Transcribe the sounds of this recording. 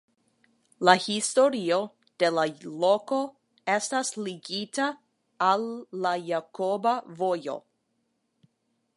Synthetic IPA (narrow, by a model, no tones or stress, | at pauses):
lahisto̞ɾio̞ | d̥e̞laloko̞ | e̞stasliɡitaː | lːajakobavojo̞̰